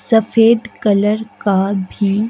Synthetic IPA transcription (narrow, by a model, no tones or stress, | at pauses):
sɐfeːd̪kɐləɾkabʱi